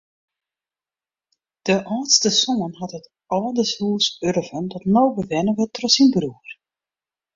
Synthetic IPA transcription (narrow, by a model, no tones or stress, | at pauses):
d̥əʔaːtstəsoənɦatɦət | ɔːdəshuːsørvəndɔtnowbəʋɛnəʋətrɔsinbruər